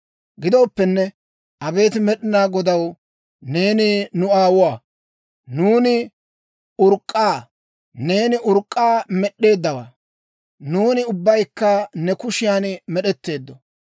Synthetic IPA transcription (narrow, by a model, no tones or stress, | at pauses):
ɡɪd̪ɔːpːɛnːɛ | ʔɐbe̞ːt̪ɪmɛɗɪnaːɡɔd̪ɐw | ne̞ːnɪnʊaːwʊwaː | nuːnɪ | ʊɾkʼːaː | ne̞ːnɪʔʊɾkʼːaːmɛɗːe̞ːd̪ːɐwa̰ː | nuːnɪʊbːɐjkːɐnɛkʊʃɪjaːnmɛɗɛt̪ːe̞ːd̪ːɔ